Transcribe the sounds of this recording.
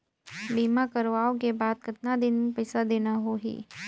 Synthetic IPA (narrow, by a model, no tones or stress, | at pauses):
biːmakɐɾʋaːok̬ebaːd̪̚kɪt̪nad̪ɪnmẽpɐɪsad̪eːnaɦoɦḭː